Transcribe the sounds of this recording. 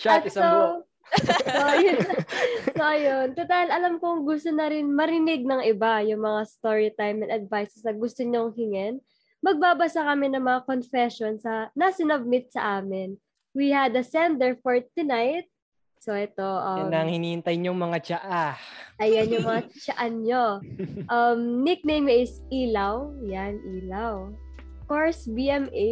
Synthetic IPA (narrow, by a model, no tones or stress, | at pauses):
t͡ʃat̪so | oj | soʔɐjont̪ɐt̪ɐlɐlamkoŋɡʊst̪onɐɾɪnmɐɾɪnɪɡ̚nɐŋɪbajʊŋmɐŋast̪oɹɪt̪ajmɛnɐd̪̚vajsɛsɐɡʊst̪oɲoŋhɪŋɛn | mɐɡ̚baːbɐsakɐmɪnɐŋmɐŋakonfɛʃonsɐnɐsɪnɐb̚mɪt̪̚sɐʔaːmɪn | wihɐd̪ɐsɛnd̪ɛɹfoɹt̪unajt̪̚ | soʔɛt̪o̞ʔɐnɐŋhɪniːɪnt̪ajɲoŋmɐŋat͡ʃaʔaʔɐjɐnjʊŋmɐŋat͡ʃɐʔanɲoʔɐmnɪk̚nejmjʔɪs | iːlɐwjanʔiːlaw | koɹsbiʔɛmʔe